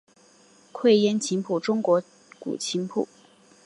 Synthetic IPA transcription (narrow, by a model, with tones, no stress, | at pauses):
kʰwe˥˩ɪjɛ˥nt͡ɕʰi˧˥ŋpʰu˥˩ʈ͡ʂʊ˥ŋkwɔ˧˥ | kṵ˨˩t͡ɕʰi˧˥ŋpʰṵ˥˩˦